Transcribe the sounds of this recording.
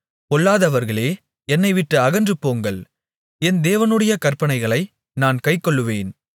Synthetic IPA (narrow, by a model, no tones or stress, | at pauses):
kɔɭːaːðɐʋɐɾɣɐɭeː | ɛnːɐɪʋɪʈːɯɐɣɐndrɯpːoːŋɡɐɭ | ɛnd̪eːʋɐnɯɽɐjɐkɐɾpɐnɐɪɣɐɭɐɪ | naːnkɐɪkːɔɭːɯʋeːn